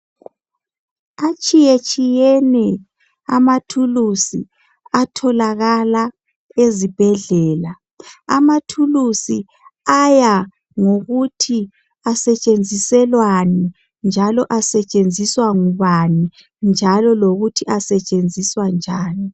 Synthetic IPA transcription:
at͡ʃʼijet͡ʃʼijɛnɛ | a̰matʰulusḭ | atʰɔlaɣala | ezib̥ʱɛɮɛːla | a̰matʰulusi | aja | ŋoɣutʰi | asɛt͡ʃʼend͡zʱisɛlwani | nd͡ʒʱalɔʔasɛt͡ʃʼend͡zʱiswaŋuβani | nd͡ʒʱalɔloɣutʰiʔasɛt͡ʃʼend͡zʱiswand͡ʒʱaːni

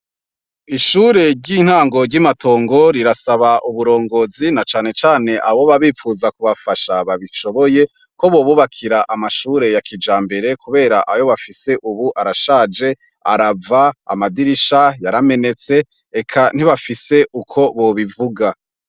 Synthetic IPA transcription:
iʃuːɾe̞ɾɟiːn̥haːŋɡo̞ɾɟimato̞ːŋɡo̞ɾiɾasaβaʔuβuɾo̞ːŋɡo̞zinat͡ʃaːne̞t͡ʃaːne̞ʔaβo̞βaβiːfuːzakuβafaʃaβaβiʃo̞βo̞je̞ | ko̞βo̞ːβuβakʰiɾaʔamaʃuːɾe̞jakʰid͡ʒaːmbe̞ɾe̞kuβe̞ːɾaʔajo̞βafise̞ʔuβuʔaɾaʃaːd͡ʒe̞ | a̰ɾavaa̰madiɾiʃajaɾame̞ne̞t͡se̞ | ekʰan̥iβafise̞ʔukʰo̞βo̞βivuɡa

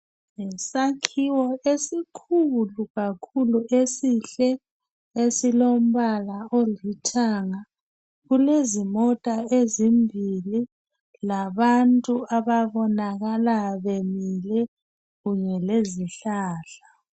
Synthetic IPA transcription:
ŋɛsakʰiwɔesikʰuluɣakʰuluʔesiɬɛ | esilom̩βalaolitʰaŋa | ɣulezimɔtʼaezimbʱili | laβantʼuaβaβɔnaɣalaβemilɛ | ɣuɲɛleziɬaːɬa

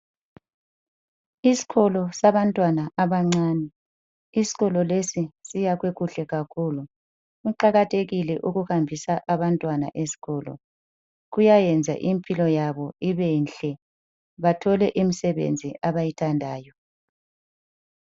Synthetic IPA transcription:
isi̥ɣɔlɔsaβantʼwanaʔaβaŋ͡ǀaːnɛ | isi̥ɣɔlɔlesisijaɣweɣuɬɛɣakʰulu | uǃaɣatʰeɣilɛʔuɣuhambʱisaʔaβantʼwana̰ʔesi̥ɣɔːlɔ̰ | ɣujajɛnd͡zʱa̰ʔimpʰʼilɔjaβɔiβɛnɬɛ | βatʰɔlɛʔimisɛβḛnd͡zʱiaβajitʰandʱaːjɔ

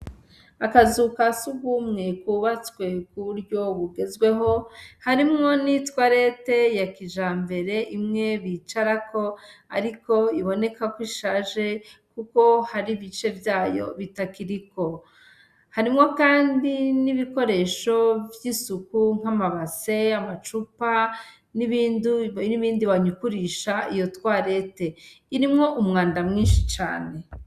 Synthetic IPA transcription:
akazukasuɡumŋe̞kuːβat͡swe̞kuβuɾjo̞βuɡe̞zɡwe̞ɦo̞haɾimŋo̞nitwaɾe̞te̞jakiʒaːmbe̞ɾe̞ʔimŋe̞βit͡ʃaɾako̞aɾiko̞iβo̞ne̞kakwiʃaːʒe̞kuko̞haɾiβit͡ʃe̞bjaːjo̞̰βitakiɾiko̞ | haɾimŋokaːndiniβiko̞ɾe̞ːʃo̞vjisukuŋ̥amaβase̞amat͡ʃupa | niβiːnduniβiːndiβaɲukuɾiʃaijo̞twaːɾe̞te̞ | iɾimŋo̞ʔumŋaːndamŋiːnʃi̥t͡ʃa̰ːne̞

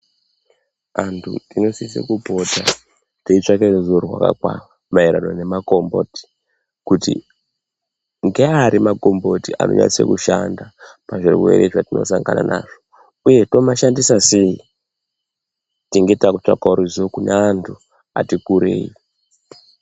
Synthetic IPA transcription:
antʰṵtino̞sisḛkubʱo̞dʱa | teit͡ʂakerzorwa̰ka̰kwa̰ | maiɾano̞ne̞mako̞mbo̰ti̥ | kutḭ | ŋɡeaɾimakombo̞tia̰no̞̰ɲa̰sḛkuʃandapaʐirwe̞̰ɾeʐatino̞̰saŋɡana̰nʔaːʐo | uje̞to̞maʃandisasei | tiŋɡe̞takut͡ʂakauɾizokuneantʰu | atikuɾḛːi

